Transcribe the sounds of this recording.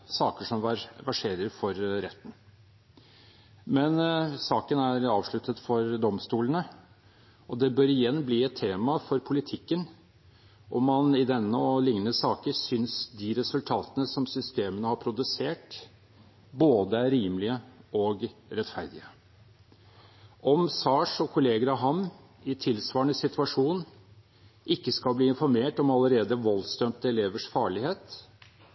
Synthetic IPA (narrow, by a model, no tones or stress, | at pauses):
sɑːkəʂɔmʋæʂeːɾəɾfɔɾɾɛt̪ːn̩ | mɛnsɑːkənæɾɑːʋʂɭʉt̪ʰət̪fɔɾd̪ɔmst̪uːlənə | ɔd̪ɛbøːɾɪjɛnːbliːɛt̪ʰːeːmɑfɔɾpʰʊlɪt̪ʰɪkːən | ʔɔmːɑnɪd̪ɛnːəɔlɪŋnəsɑːkəɾsʏnsd̪ɪɾɛsʉlt̪ʰɑːt̪ənəsɔmsʏst̪eːmənəhɑɾpʰɾʊd̪ʉseːʈ | boːd̪əæɾiːməlɪəɔɡɾɛt̪fæɾd̪ɪə | ʔɔmsɑːʂɔkʰʊleːɡəɾɑɦɑm | ɪt̪ʰɪlsʋɑːɳəsɪt̪ʰʉɑʂuːn | ʔɪkːəskɑlbliːɪnfɔɾmeːʈɔmɑləɾeːd̪əʋɔlst̪œmt̪əɛleːʋəʂfɑːɭɪheːt̪